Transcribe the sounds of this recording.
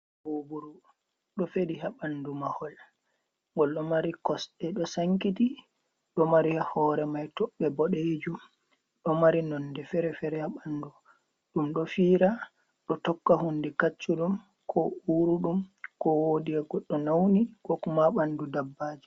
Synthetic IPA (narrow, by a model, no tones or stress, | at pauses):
bobuɾu | ɗɔfeɗiɦaɓandumahɔl | ŋɡɔlɗɔmaɾikɔsɗɛɗɔsaŋkiti | ɗɔmaɾihahɔːɾɛmajtɔɓːɛbɔɗed͡ʒum | ɗɔmaɾinɔnːdɛfɛɾɛfɛɾɛhaɓandu | ɗumɗɔfiːɾa | ɗɔtɔkːaɦunːdɛkat͡ʃːuɗum | kʰɔuɾuɗumkɔwodiaɡɔɗːɔnawnikɔkumaɓandudabːaːd͡ʒi̥